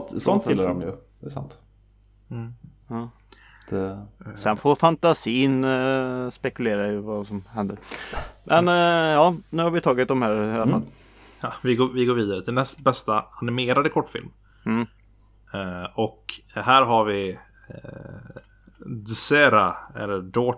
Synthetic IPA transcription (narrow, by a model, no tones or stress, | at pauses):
t̪sɔnt̪ɪlːaɾɔmjəd̪ɛːsa̰nt̪ː | ɑː | d̪̥ɛsɛnfofant̪asiːn | spɛkɵleːɾaɪvasɔmhɛnd̪əɾmʔɛnjɑːnʉ̟haɾvɪt̪ʰɑːɡɪt̪̚d̪ɔmhæːɾalafal | ɑvɪɡoːvɪɡoːɾviːd̪aɾət̪ʰɪlnɛst̪bɛst̪aanɪmeːɾad̪əkʰɔʈːfɪ̰lm | m̩ː | ɔkhæːɾɦaɾvɪ | d̪sɛɾaæ̰ɾɖoː